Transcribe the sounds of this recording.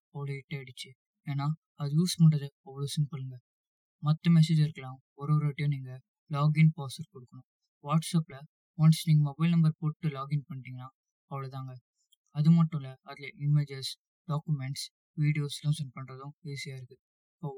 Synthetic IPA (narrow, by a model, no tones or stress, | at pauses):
ɐʋɐɭoɪʈːeɐɽɯt͡ʃːɯ | eːnaː | ɐðɯjuːspɐɳɖɾɐðɯɔʋːɔɭoːsɪmpɯlɯŋɡɐ | mɐt̪ːɐmɛs̬eːd͡ʒɪɾɯkːɐlãː | ɔɾɯʋɐɾʋɪʈːɪjõːniːŋɡɐ | laːɡɪnpaːsɐɾkɔɽɯkːɐɳʊ̃ | ʋaːʈsɐːplɐ | ʋaːnsniːŋɡɐmɔbɐɪlnɐmbɐɾpoːʈːɯlaːɡɪnpɐɳːɪʈ̪iːŋɡɐnaː | ɐʋɐɭɐt̪ãːŋɡɐ | ɐðɯmɐʈːʊ̃lɐːðɪlɐʔɪmed͡ʒɐɾs | ɖ̥aːkɯmɛɳʈs | ʋiːɽɪjoːslɐ̃sɛnpɐɳɾɐðʊ̃iːsɪjaːɪɾɯkːɯ | ɪpːoː